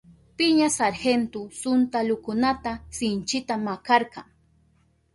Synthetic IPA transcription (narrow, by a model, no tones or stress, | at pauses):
pɪɲasaɾxent̪ʊsʊnt̪alʊkʊnat̪asɪnt͡ʃɪt̪amakɑɾqɑ̰ŋ